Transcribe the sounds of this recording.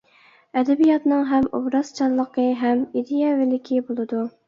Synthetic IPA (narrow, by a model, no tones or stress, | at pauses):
ɛd̪ɛbijɑt̪nɨŋɦɛmobɾɑst͡ʃʰɑlˠːəqəɦɛmid̪ejɛvɪlɪkʲʰibolˠɨd̪u